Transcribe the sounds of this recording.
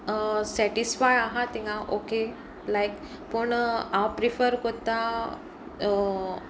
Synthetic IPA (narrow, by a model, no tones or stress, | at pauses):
sɛʈisfajaɦat̪ĩŋãʔoke | lajk | pəɳãwpɾifəɾkɔɾt̪a